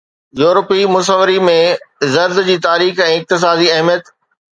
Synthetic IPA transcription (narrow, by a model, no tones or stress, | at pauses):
juːɾpimʊs̬əʋəɾimẽzɐɾd̪d͡ʑiːt̪aːɾiːxɛ̃ːɪq̚t̪ɪs̬aːd̪iɐɦmijət̪